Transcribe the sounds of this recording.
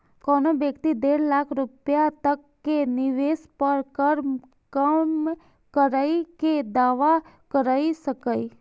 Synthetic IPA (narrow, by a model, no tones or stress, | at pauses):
kɔːnobjəkt̪id̪eːɾlaːkʰɾʊpjat̪əkːenɪʋeːspəɾkəɾm | kəm | kəɾaːiked̪aːʋa | kəɾaːisəkəi